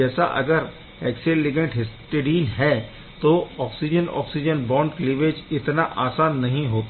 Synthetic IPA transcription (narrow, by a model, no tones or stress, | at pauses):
ɛːsa̰ʔɐ̰ɡəɾ | ɛːkselːɪɡə̃ɳʈɦɪsʈeɾiːlɦɛ | t̪oɔːksid͡ʒənɔ̰ːksid͡ʒənbɔ̃ːɳɖklɪʋeːd͡ʒɪt̪naʔaːsaːnːɐɦĩɦoːt̪a